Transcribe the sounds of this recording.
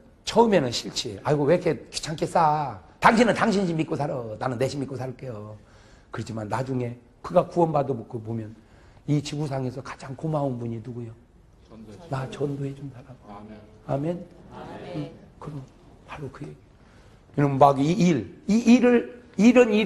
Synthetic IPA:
t͡ɕʰʌɯmenɯnɕʰiɭt͡ɕʰiaiɡowekʰe̥t͡ɕʰaŋkʰes͈ataŋɕʰinɯntaŋɕʰinɕʰimːit̚k͈osʰaɾʌnanɯnːe̞ɕʰimitk͈osʰaɾk͈ejo | kɯɾʌt͡ɕʰimanːad͡ʑuŋe̞ | kɯɡakuʌnbadokɯpomjʌn | it͡ɕibus̬ʰaŋe̞sʰʌkḁd͡ʑaŋkomaunbuɲinuɡujo | nat͡ɕʌndoed͡ʑomsʰaɾam | amen | kɯɾʌ | paɾokɯeɡi | iɾʌmmaɡiiɾiːɾɯɭiɾʌni

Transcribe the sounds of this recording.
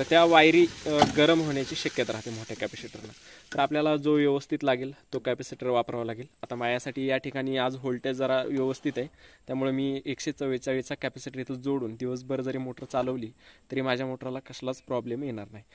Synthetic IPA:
t̪əɾt̪jaʋajɾiːɡəɾəmɦoɳjat͡ɕiːɕəkjət̪ɾaɦt̪em̤oʈʰekæpɛsiʈəɾna | t̪əɾapljalad͡zoʋjəʋəst̪ʰiːt̪laɡiːlt̪okæpɛsiʈəɾʋapɾaʋalaɡiːlat̪amajasaʈiːjaʈʰikaɽ̃iːad͡zɦoɭʈed͡zəɾaʋjəʋəst̪ʰit̪aet̪jamuɭemiːekɕet͡səʋet͡ɕaʋit͡sakæpɛsiʈəɾit̪əd͡zoɽuːnd̪iʋəs̬bəɾd͡zəɾiːmoʈəɾt͡saləʋliːt̪əɾiːmad͡ʑʱjamoʈəɾalakəslat͡spɾɔblemjeɽ̃aɾnaɦi

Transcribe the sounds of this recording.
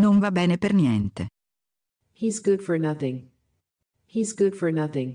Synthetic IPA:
noɱvabɛːnepernjɛnt̪ḛ | hizɡʊd̥fə˞nʌθɪ̃ŋ | hizɡʊd̥fə˞nʌθɪ̃ŋ

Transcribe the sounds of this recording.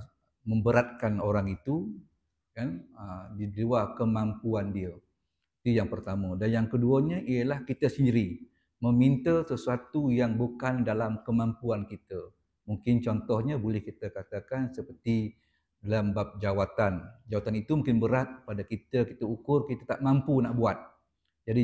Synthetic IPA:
mə̃mbəɾat̪̚kanoɾaŋit̪u | kanədiluakəmampuandiə | it̪ujaŋpərt̪amə̃danjaŋkəduəɲəʔijəlahkit̪əsəndiɾi | məmint̪əsəsuat̪ujaŋbukandalamkəmampuankit̪ə | muŋkɪnt͡ʃɔnt̪ɔhɲəbolɛhkit̪əkat̪akansəpərt̪i | dalambap̚d͡ʒawat̪and͡ʒawat̪anit̪umũŋkɪnbəɾat̪̚padakit̪əkit̪əukʊrkit̪at̪aʔmampunaʔbuat̪̚ | d͡ʒadi

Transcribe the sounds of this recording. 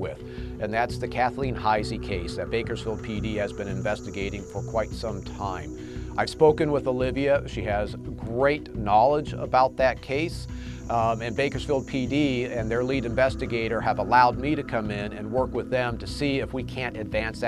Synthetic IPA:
wɪð | ɨ̃nðætsðɨkʰæθlĩnhaɪzikʰeɪsðɨt̚b̥eɪkə˞z̥filˠd̚pʰidiɨzbɨ̃ñɨ̃ɱvɛstɨɡeɪɾɪ̃ŋfə˞kʰw̥aɪtsʌ̃mtʰãɪ̃m | ʔaɪv̥spoʊkɨ̃nwəðolɪviɨʃiɨzɡɹeɪtⁿnɑlˠəd͡ʒə̰baʊt̪̚ðɨt̚kʰeɪs | ɨ̃nbeɪkə˞z̥filˠd̚pʰidiɨ̃nðə˞liɾɨ̃ɱvɛstɨɡeɪɾə˞əvəlaʊd̚miɾɨkʰʌ̃mɪ̃nɨ̃nwɜ˞kwɨðɨ̃mtʰɨsiɨfwikʰæ̃ntɨdvæ̃ns

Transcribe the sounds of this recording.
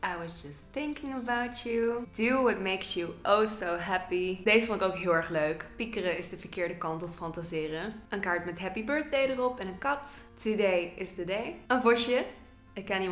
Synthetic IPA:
ʔajwɑzd͡ʒʌstθɪ̃ŋkɪ̃ŋəbawt͡ʃuduwʌt̚meɪksjuʔɔsoʊɦæpid̥ezəfɔndɪkoʊkɦɪːlˠɛɹχløɥkpikərəɪzdəvəɹkɪːɹdəkɑntɔffɑntazɪːrəənkaːɹtmɛtɦɛpibøɹt̚dejdərɔpɛ̃nənkɑttudejɪstədejə̃nvɔɹʃə | ɪkɛni

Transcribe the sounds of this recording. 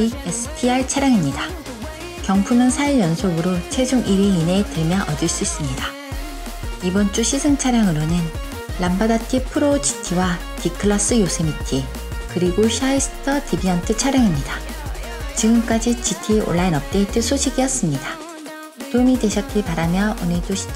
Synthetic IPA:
iesʰɯ̥pʰiaɭt͡ɕʰaɾjaŋimɲida | kjʌŋpʰumjʌnsʰaiɭjʌnsʰoɡɯɾot͡ɕʰwe̞d͡ʑuŋʔiɾiine̞temjʌʔʌdɯɭs͈uis͈ɯmɲida | ibʌnt͡ɕ͈uɕʰisʰɯŋt͡ɕʰaɾjaŋɯɾonɯn | lambadatʰipʰɯɾod͡ʑi̥tʰiwa | tikʰɯɭas͈ɯjosʰemitʰi | kɯɾiɡoɕʰaisʰɯ̥tʰʌtʰibiʌntʰɯt͡ɕʰaɾjaŋimɲida | t͡ɕiɡɯmk͈ad͡ʑit͡ɕitʰio̰ɭːainʌp̚t͈e̞t͈ɯsʰoɕʰiɡijʌs͈ɯmɲida | tomide̞ɕʰʌt̚k͈iɭpaɾamjʌonɯɭdoɕi̥

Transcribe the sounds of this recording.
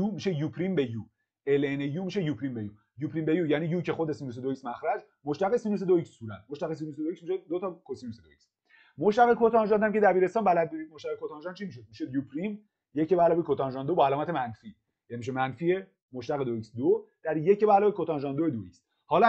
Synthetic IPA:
jumiʃe̞jupʰɾimbeju | elenejuːmiʃe̞jupʰɾimbeju | jupʰɾimbe̞jujæniːjuːcʰe̞xod̪esinus̬ed̪oicsmæxɾæd͡ʒ | moʃt̪æɣesinus̬ed̪oicsːuːɾæt̪̚moʃt̪æɣes̬inused̪oiksmiʃed̪ot̪ʰɒkʰosinused̪o̰iks | moʃt̪æɣekʰot̪ʰɒnʒɒnt̪æmcʲʰe̞d̪æbiːɾe̞st̪ɒːnbælæd̪̚buɾid̪̚moʃt̪æɣekʰot̪ʰɒnʒɒnt͡ʃʰimiːʃo̞d̪̚miʃejupʰɾim | je̞cebæːlɒːbekʰot̪ʰɒnʒɒnd̪obɒælɒːmæt̪e̞mænfi | jænimiʃ̬emænfie | moʃt̪æɣed̪oicsd̪od̪̥æɾje̞cebæːlɒːbekʰot̪ɒnʒɒnd̪oed̪oḭcs | hɒːl

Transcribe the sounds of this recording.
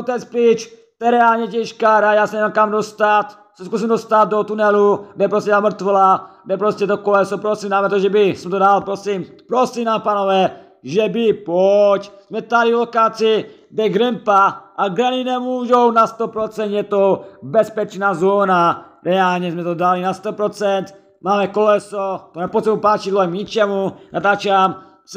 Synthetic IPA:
ot̪ɛt͡spɾit͡ʃt̪ojɛɾɛaːlɲɛcɛʃkaːɾajaːsɛnɛmamkamdost̪at̪ | sɛskus̬imdost̪at̪̚dot̪unɛlubɛpɾoscɛdamr̩t̪ʋɛlabɛpɾoscɛt̪okolɛsopɾosimdaːmɛt̪oʒɛbɪsɛmt̪odalpɾosimpɾosiːmnaːmpaːnovɛː | ʒɛbɪpoczmɛt̪aɾivlokaːt͡si | bɛɡɾɛmpaaɡɾaninɛmuːʒownast̪opɾot͡sɛnt̪jɛt̪obɛspɛt͡ʃnaːzoːnaɾɛaːlɲɛzmɛt̪odalinast̪opɾot͡sɛnt̪ | maːmɛkolɛsot̪onɛposɛmupaːt͡ʃid̪loɦɛmɲit͡ʃɛmunʔat̪aːt͡ʃam | s

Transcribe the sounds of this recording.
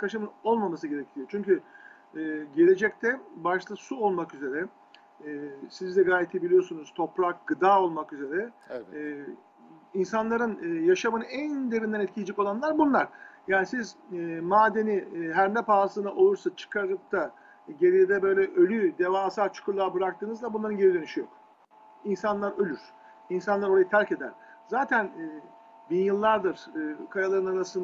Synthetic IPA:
kʰaʃɯmɯno̞lˠmamasɯɟe̞ɾecʰijo̞t͡ʃʰyɲcy | ɛɟe̞lʲe̞d͡ʒɛct̪ʰɛbaʃt̪ʰˠasuo̞lˠmakyze̞ɾɛ | sizd̪ɛɡaːjet̪ʰebilʲijo̞sunuz̥t̪ʰo̞pɾak̚ɡɯd̪aːo̞lˠmakyze̞ɾɛ | insanlˠaɾɯnɯjaʃamɯnɯænd̪e̞vɾind̪ɛnɛt̪̚cʰilʲed͡ʒɛkolˠanlˠaɾbunlˠaɾ̥jaːnisizmaːd̪e̞niɦæɾnɛpaːsɯnaʔo̞lˠuɾsat͡ʃʰɯ̥kʰaɾɯp̚t̪ʰa | ɟe̞ɾijed̪ɛbø̞jlʲɛʔølʲyd̪evaːsaɾt͡ʃʰu̥kʰuɾlˠaːbɯɾak̚t̪ʰɯːnɯzd̪ˠabunlˠaɾɯnɟeɾid̪ø̞nyʃijo̰k | insanlˠaɾølʲyɾ̥ | insanˠaɾo̞ɾajɯt̪ʰaɾce̞d̪æ̰ɾ̥ | zaːt̪ʰænː | binjɯlˠːaɾd̪ɯɾ̥ɯkʰajalˠaɾɯnaɾasɯn

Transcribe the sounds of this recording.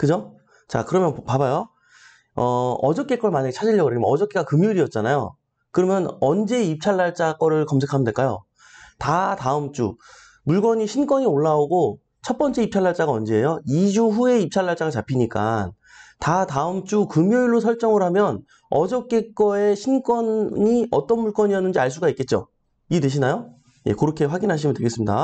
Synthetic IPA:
kɯd͡ʑo | t͡ɕa̰kɯɾʌmjʌnpabajo | ʌʌd͡ʑʌk͈e̞k͈ʌɭmaɲaɡet͡ɕʰad͡ʑiʎːʌɡʌɾeimʌ̰ʌd͡ʑʌk͈eɡakɯmjoiɾiʌt̚t͡ɕ͈anajo̰ | kɯɾʌmjʌnʌnd͡ʑe̞ip̚t͡ɕʰaɭːaɭt͡ɕ͈ak͈ʌɾɯɭkʌmsʰe̞kʰamndwe̞ɭk͈ajo̰ | tataɯmt͡ɕ͈ṵ | muɭɡwʌɲiɕʰink͈ʌɲioɭːaoɡo | t͡ɕʰʌt̚p͈ʌnt͡ɕʰe̞ip̚t͡ɕʰaɭːaɭt͡ɕ͈aɡaʌnd͡ʑe̞ːjoid͡ʑuɸue̞ip̚t͡ɕʰaɭːaɭt͡ɕ͈aɡat͡ɕapʰiɲik͈an | tataɯmt͡ɕ͈ukɯmjoiɭːosʰʌɭt͡ɕ͈ʌŋɯɾɦamjʌn | ʌd͡ʑʌk͈e̞k͈ʌe̞ɕʰink͈wʌnɲiʌt͈ʌnmuɭk͈ʌɲiʌnːɯnd͡ʑiaɭs͈uɡaik͈e̞t̚t͡ɕ͈o̰ | idɯɕʰinajo | je̞̰kɯɾʌkʰe̞ɸwaɡinɦaɕ̬ʰimɯntʰɯɭɡe̞s͈ɯmɲida̰

